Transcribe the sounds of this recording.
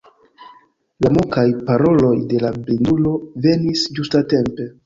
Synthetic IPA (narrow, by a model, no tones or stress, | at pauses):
lamukajpaɾo̞lo̞jde̞lablindulo̞ve̞nisd͡ʒustate̞mpe̞